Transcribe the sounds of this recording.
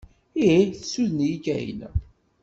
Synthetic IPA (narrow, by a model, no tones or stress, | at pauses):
iiθəsuðənjiɡæjə̰n